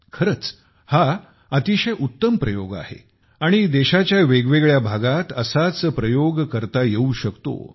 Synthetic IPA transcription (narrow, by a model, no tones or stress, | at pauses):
kʰəɾət͡s | ha | ət̪iɕəjʔut̪ːəmpɾəjoɡa̰hḛ | aɽ̃id̪eɕat͡ɕjaʋeɡʋeɡɭjabʱaɡat̪əsat͡spɾəjoɡkəɾt̪ajeuɕəkt̪o̰